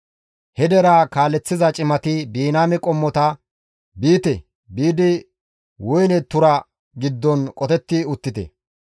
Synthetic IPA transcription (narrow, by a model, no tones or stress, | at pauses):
hɛd̪ɛɾaːkaːlːɛt͡sːɪzɐt͡ʃʼɪmɐt̪ɪbiːnaːmɛkʼɔmːɔt̪ɐ | biːt̪ɛ | biːd̪ɪ | wʊjnɛt̪ʊɾɐ | ɡɪd̪ːɔnkʼɔt̪ɛt̪ːɪʊt̪ːɪt̪ɛ̰